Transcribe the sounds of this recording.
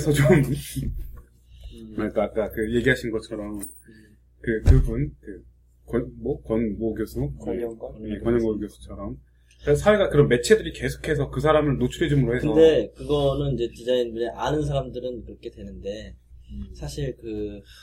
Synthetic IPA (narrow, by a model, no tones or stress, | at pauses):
sʰʌt͡ɕom | mak͈aak͈akɯje̞ɡiɦaɕʰinɡʌt͡ɕʰʌɾʌm | kɯkɯbunkɯ | kʌmʌkʌnmoɡjosʰuʌjekwʌɲʌŋɡoɡjosʰu̥t͡ɕʰʌɾʌm | es̬ʰaweɡakɯɾʌnme̞t͡ɕʰe̞dɯɾike̞sʰo̥kʰe̞sʰʌkɯsʰaɾamɯɭnot͡ɕʰuɾed͡ʑimɯɾoheskɯʌde̞kɯɡʌnɯnid͡ʑe̞t͡ɕid͡ʑainbuɲeʔanɯnsʰaɾamdɯɾɯnkɯɾʌkʰe̞dwe̞nɯnde | sʰaɕʰiɭkɯ